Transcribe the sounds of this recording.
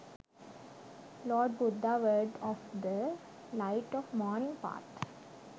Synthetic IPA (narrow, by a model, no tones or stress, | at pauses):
lɔːɖ̚bʊd̪ːaʋəɾɖɔːfd̪ə | laɪʈɔːʋmɔːnɪ̃ŋɡpa̰ːʈ